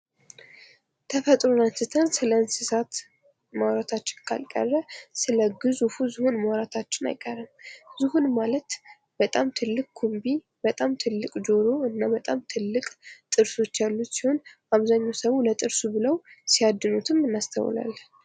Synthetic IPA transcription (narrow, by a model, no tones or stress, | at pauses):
t̪ʰəfət̪ʼɾonansɨt̪ʰənsɨləɨnsɨsat̪ | mawɾat̪ʰat͡ʃːɪ̥nkʰa̰lkʼə̰rːəsɨləɡɨzufuzɨhunmawɾat̪ʰat͡ʃːɪna̰jkʼərːɨmzɨhunmalət̪ | b̥ət̪ʼamt̪ʰɨlːɨkʼkʰumbi | bət̪ʼamt̪ʰɨlːɨkʼd͡ʒoɾo̞ɨnːabət̪ʼamt̪ʰɨlːɨkʼt̪ʼɨɾso̞t͡ʃːjalːut̪siho̞n | aβzaɲːawsəwulət̪ʼɨɾsubɨləwsiad̪ːɨnut̪ʰɨmːɨnːast̪ʰə̰w̰la̰l